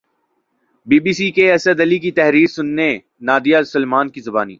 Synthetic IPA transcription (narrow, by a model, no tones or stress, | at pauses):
biːbiːsikeɐsəd̪ɐlik̬it̪ɛɦɾiːɾsʊnːe | naːd̪ijasəlmaːnkizɐbaːnḭː